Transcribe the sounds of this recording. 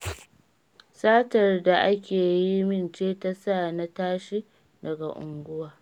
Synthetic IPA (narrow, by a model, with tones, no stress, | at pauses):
saː˦tɐ˨rda˨ʔa˦kʲeː˨ji˦mɪ˦˨nt͡ʃeː˦ta˦sa˦˨na˦taː˦ʃi˦ | dɐ˨ɡa˨ʔʊ̰˨ŋɡʷʊ˦waː˨